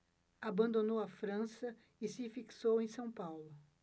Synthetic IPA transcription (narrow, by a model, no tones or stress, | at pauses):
abɐ̃nd̪onowɐfɾɐ̃sɐ | ɪsɪfiksowẽj̃sɐ̃w̃pawlʊ